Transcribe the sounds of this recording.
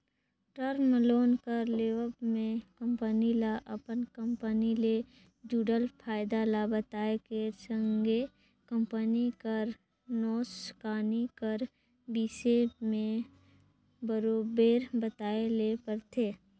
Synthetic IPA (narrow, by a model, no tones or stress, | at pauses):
ʈəɾməloːnkəɾleːʋəpmẽkə̃mpənilaʔəpənkə̃mpənile | d͡ʒuːɖəlpʰaːɪd̪alabət̪aːekesə̃ŋɡe | kə̃mpənikəɾ | nɔːskaːnikəɾ | biːsemẽ | bəɾoːbeːɾbət̪aːelepəɾt̪ʰeː